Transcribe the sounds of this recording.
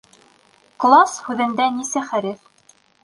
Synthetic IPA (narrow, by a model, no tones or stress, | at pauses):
klˠɑshʉðɘ̆nd̪ænisɘχæɾɘf